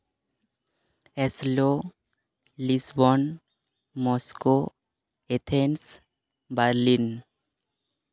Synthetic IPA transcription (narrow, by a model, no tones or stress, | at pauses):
eslo | lisbɔn | mɔsko | et̪ʰens | baɾlin